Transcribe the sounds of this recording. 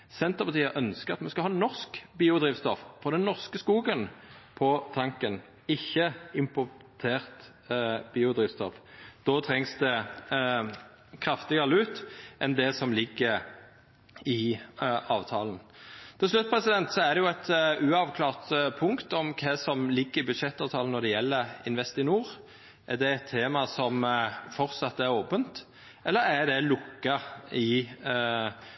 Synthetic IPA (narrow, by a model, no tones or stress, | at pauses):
sɛnt̪əʁpɑt̪iːəʔœnskəʁɑt̪mɑnskɑhɑːnɔʁskbiːʊd̪ʁiːʋst̪ɔffɔʁd̪ɛnːɔʁskəskuːɡənpʰɔt̪ʰɑŋkən | ɪçːəɪmpʊʁt̪ʰeːʁt̪ | biːʊd̪ʁiːʋst̪ɔfd̪̥oːt̪ʰʁɛŋsd̪ɛ | kʰʁɑft̪ɪɡəʁlʉːt̪ʔɛnd̪ɛsɔmlɪɡːə | ɪ | ɑːʋt̪ʰɑ̰ːlən̩t̪ʰɪlʂlʉt̪̚ːpʰɾɛsɪd̪ɛnt̪sɔæd̪ɛjʊɛt̪ʉːɑʋkʰlɑːʁt̪pʰʊŋkt̪ɔmkʰɛsɔmlɪɡːəɾɪbʉd̪ʂɛt̪ːɑːʋt̪ʰɑːln̩ɔd̪ɛjɛlːəɾɪnʋɛst̪ɪnuːɾ | ʔæd̪ɛɛt̪ʰːeːmɑsɔmfɔɾt̪sɑt̪ːæɾoːpənt̪ | ʔɛlːəɾæd̪ɛlʊkːɑɪ